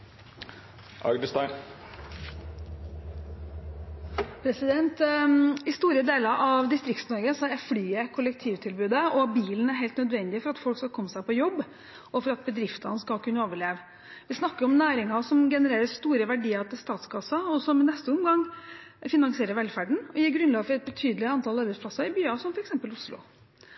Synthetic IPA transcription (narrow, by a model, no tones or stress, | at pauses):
ʔɑ̰ɡd̪əst̪ɑɪn | pʰɾɛsɪd̪ɛnt̪ɪst̪uːɾəd̪eːlɑɾʔɑʋd̪ɪst̪ɾɪk̚t̪snɔɾɡəsɔæflyːəkʰʊlək̚t̪ʰiːʋt̪ʰɪlbʉːd̪əɔbiːlən̩æɾɦɛɪlt̪nœd̪ʋɛnd̪ɪəfɔɾɑt̪fɔlkskɑlkʰɔmːsæɪpʰɔjɔbː | ɔfɔɾɑt̪̚bəd̪ɾɪft̪ɑ̰nəskɑlkʰʉnːəoːʋəɭeːʋ | ʋɪsnɑkːəɾɔmnæːɾɪŋɑsɔmɡɛnəɾeːɾəst̪uːɾəʋæɖiːəɾt̪ɪlst̪ɑːt̪sɡɑsɑɔsɔmɪnɛst̪əɔmɡɑŋ | fɪnɑŋsɪeːɾəɾʋɛlfæɖɳ̩ɔjiːɾɡɾʉnlɑːɡfɔɾɛt̪̚bət̪ʰyːd̪əlɪɑnt̪ʰɑlɑɾbɛd̪spʰlɑsɑɪbyːɑsɔmfɔɾɛksɛmpəlʊslʊ̰